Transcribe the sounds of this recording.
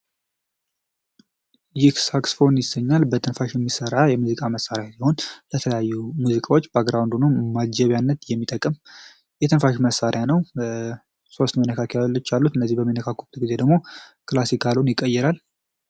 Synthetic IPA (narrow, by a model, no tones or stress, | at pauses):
jɪhsaksfo̞njɪsəɲːalbət̪ʰɨnfaʃjɛmːisəɾajɛmuzikʼaməsaɾjasiho̞nlət̪ʰələjajːumuzikʼawot͡ʃːbəaɡɾawnd̪unumad͡ʒɛβjanːət̪jɛmːit̪ʼəkʼːɨm | jɛt̪ʰɨnfaʃməsːaɾʔjanəw | so̞st̪mənːəkʰakʰealət͡ʃːalːut̪ɨnːəzːihbəmːinːəkʰakʰːut̪ʰɡize̞d̪əɡmo̞kʰɨlasikʰalwnjɪkʼːəjːɛɾal